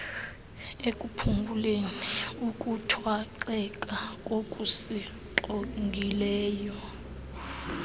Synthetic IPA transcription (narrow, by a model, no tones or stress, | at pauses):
ekʼupʰumbʱuleniukʼutʰwaǃɛkʼakʼokʼusi | ǃoŋɡʱilɛːjɔ